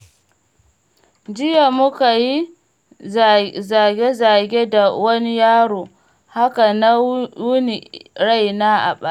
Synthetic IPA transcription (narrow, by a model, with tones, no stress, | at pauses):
d͡ʒɪ˦ja˨mʊ˦ka˨ji˦ | za˨ɡʲe˦zaː˨ɡʲe˦da˨wɐ˦ni˦jaː˦ɽoː˨ | ha˦ka˨na˦wʊ˦ni˨ɽa˦˨jnaː˦ʔa̰˨ɓa˦˨